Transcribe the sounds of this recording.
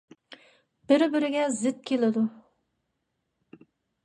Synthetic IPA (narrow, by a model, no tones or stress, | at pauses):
b̥ɪɾbɪɾɪɡʲɛzɪt̪̚kʲʰelɪd̪u